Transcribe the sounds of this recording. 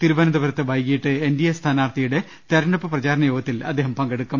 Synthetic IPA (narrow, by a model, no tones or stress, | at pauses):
t̪iɾubɐnɐd̪ɐʋɐɾɐt̪ːɨʋɐjkːijiʈːɨendijɐst̪ʰaːnaːrt̪ʰijuɽe̞ | t̪ɐɾɐɳɖɐpːɨprɐt͡ɕaːɾɐnɐjoːɡɐt̪ːilɐ̰d̪ːeːɦɐmpɐŋɡɐɽukːɐm